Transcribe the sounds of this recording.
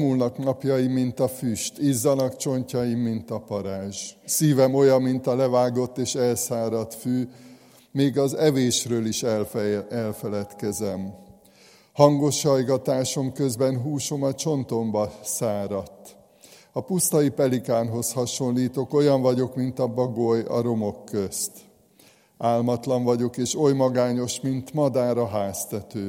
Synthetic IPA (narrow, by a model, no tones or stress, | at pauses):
mulnɒknɒpjɒjimint̪ɒfyʃt̪izːɒnɒkt͡ʃo̞ɲcɒjimːint̪ɒpɒɾaːʒsiːvɛmo̞jɒmːint̪ɒlɛvaːɡo̞t̪ːeːʃɛlsaːɾɒt̪fyː | meːɡɒzɛveːʃrøːliʃ | ɛlfɛlɛt̪kɛzɛm | hɒŋɡo̞ʃhɒjɡɒt̪aːʃo̞mkø̞zbɛnɦuːʃo̞mɒt͡ʃo̞nt̪o̞mbɒsaːɾɒt̪ː | ɒpust̪ɒipɛlikaːnɦo̞shɒʃo̞nliːt̪o̞ko̞jɒɱvɒɟo̞kmint̪ɒbɒɡo̞jɒ̰ɾo̞mo̞kːø̞st̪ | aːlmɒt̪lɒɱvɒɟo̞keːʃo̞jmɒɡaːɲo̞ʃmint̪mɒd̪aːɾɒɦaːst̪ɛt̪øː